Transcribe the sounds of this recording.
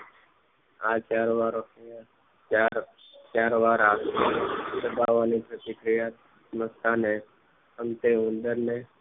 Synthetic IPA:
aːt͡ʃaːɾʋaːɾokea | aɾ | t͡ʃaːɾʋaːɾaː | d̪əbaːʋaːniːpɾət̪ɪkɾɪjaːt̪ | məst̪aːne | ənt̪eːũnd̪əɾneː

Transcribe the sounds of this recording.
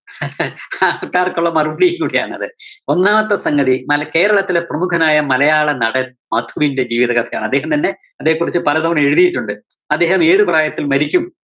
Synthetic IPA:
akːaːrkuɭːɐmɐrubɽijŋkuːɽija̰ːɳɐ̰ðɨo̞nːaːmɐt̪ːɐsɐŋɡɐðimɐlɐke̞ːɾɐɭɐt̪ːileprɐmukʰɐnaːjɐmɐlɐjaːɭɐnɐɽɐnmɐd̪ʱuʋinde̞d͡ʑiːʋiðɐkɐt̪ʰɐja̰ːɳɨɐd̪ːe̞ːɦɐmt̪ɐnːe̞ | ɐd̪ːeːɦɐkurit͡ɕːɨpɐlɐðɐʋɐɳe̞ɻuðijiʈːuɳɖɨ | ɐd̪ːeːhɐme̞ːðɨpraːjɐt̪ːilmɐɾikʲːum

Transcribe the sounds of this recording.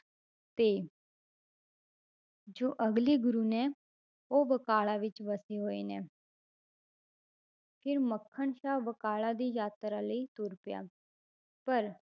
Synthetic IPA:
t̪eː | d͡ʒoːʔəɡliːɡʊɾuːnɛ̃ː | oːbəkaːɭaːʋɪt͡ʃʋəseːɦoːeːnɛː | pʰɪɾməkʰːəɳʃaːbəkaːɭãːd̪iːjaːt̪ɾãːləit̪uːɾpɪja̰ː | pəɾ

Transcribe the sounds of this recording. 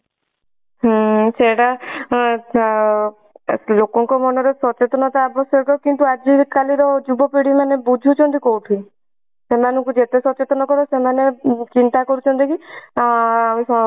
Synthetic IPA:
ɦseɽa | lokɔŋkɔmɔnɔɾesɔt͡ʃet̪ɔnɔt̪ʰaːbɔsɔɾkɔɾɔkiɳt̪uad͡ʒikaliɾɔd͡ʒubɔpeɽimanebud͡ʒʱut͡ʃʰɔnt̪ikoɦut̪ʰuĩ | semanɔŋkud͡ʒet̪esɔt͡ʃet̪ɔnɔkɔɾɔsemanet͡ʃint̪akɔɾut͡ʃʰɔnt̪iki | sɔ

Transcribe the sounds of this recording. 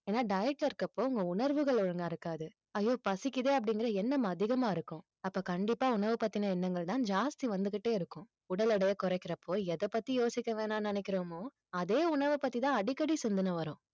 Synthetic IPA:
eːnːaːɖɐjɪʈlɐɪɾɯkːɐpːoːʊŋɡɐʊɳɐɾʋɯɣɐɭɔɻɐŋɡaɪɾɯkːaːðɯ | ɐjːoːpɐsɪkːɪðeːɐp̬ːɐɽɪŋɡɪɾɐɛnːɐmɐːðɪɣɐmaːɪɾɯkːʊ̃ | ɐpːoːkɐɳɖɪpːaːʊɳɐʋɯpɐt̪ːinɐɛnːɐŋɡɐɭt̪ãːnd͡ʒaːst̪iʋɐnd̪ɯkːɪʈːeːɪɾɯkːʊ̃ | ʊɽɐlɐɽɐjɐkɔɾɐɪkːɪɾɐpːoːɛðɐpːɐt̪ːijoːsɪkʲːɐʋeːnaːnɪnɛkːɪɾoːmoː | ɐðeːʊɳɐʋɯpɐt̪ːit̪ãːɐɽɪkːɐɽisɛnd̪ɯnɐʋɐɾʊ̃ː

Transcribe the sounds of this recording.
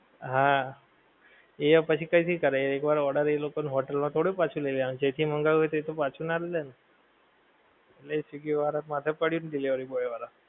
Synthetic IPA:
ɦã | epəɕiːkaitikəɾaeekbaɾɔɽəɾelokonɦoʈəlmat̪ʰoɽepat͡sʰuːleliaɽ̃id͡ʑet̪ʰiːməŋɡaɦojt̪et̪opat͡sʰuːnaɾlelənə | elesiɡiʋaɾat̪mat̪ʰapəɽiuːnd̪ileʋəɾiboɭeʋaɾa

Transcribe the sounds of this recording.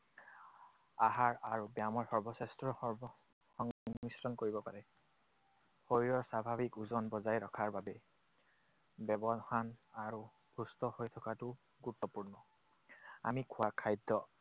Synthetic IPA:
aɦaɹaɹubjamɔɹsɔɹbɔsɛstɹɔ | ɔŋnisɹɔnkoɹibɔpaɹɛ | xojɹɔsabʱabikuzɔnbɔzajɹɔkʰaɹbabɛ | bɛbɔxanaɹu | bʰʱustɔhojtʰɔkatʊ | ɡutːɔpuɹnɔ | a̰mikʰʊwakʰajdːɔ

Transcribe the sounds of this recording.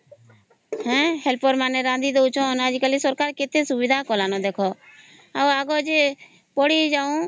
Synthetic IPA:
hɛ̃ːɦɛlpoɾmaːnɛɾãnd̪id̪oʊt͡ʃʰõnəd͡ʒkəlisɔɾkaːɾkɪt̪esʊʋɪd̪ʱakɔːlaːnod̪eːkʰɔ | aaːɡod͡ʒe | poːɽid͡ʒaːũː

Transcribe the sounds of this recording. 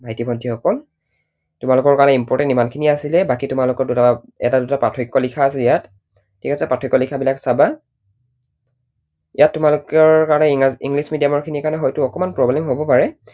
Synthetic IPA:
bʱajtibʱɔndʰʱixɔkɔl | tʊmalʊkɔɹkaɹɔnɛimpɔɹtɛntimankʰiniasilɛbakitʊmalʊkɔɹduta | ɛ̰tadutapɹatʰɹikːɔlikʰaːsɛjat | tʰːikɛsɛpɹatʰɔɹikːɔlikʰabilaksaba | ijatːʊmalʊkɔɹkaɹɔnɛiŋɡlismidijamɔɹkʰinikaɹnɛxɔjtʊɔkɔmanpɹɔblɛmɦobɔpaɹɛ

